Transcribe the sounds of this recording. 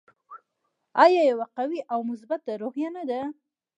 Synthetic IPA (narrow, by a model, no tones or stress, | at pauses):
ɑjɑjawaqawiʔawmʊs̬bat̪̚aɾohjanad̪a